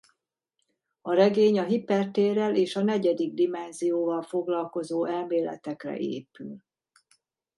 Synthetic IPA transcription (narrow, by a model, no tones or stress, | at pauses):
ɒɾɛɡeːɲɒɦipɛrt̪eːrɛleːʃɒn̪ɛɟɛd̪iɡ̚d̪imɛnzijoːvɒlfo̞ɡlɒlko̞zoːɛlmeːlɛ̰t̪ɛkrɛ̰ʔḛːpyl